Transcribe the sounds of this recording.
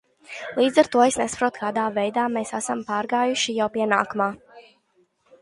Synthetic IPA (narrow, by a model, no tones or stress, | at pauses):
lˠiːd̪zaɾt̪uɔesnɛspɾuɔt̪kaːd̪aːvɛjd̪aːmeːsasampaːɾɡaːjuʃijawpiɛna̰ːkumaː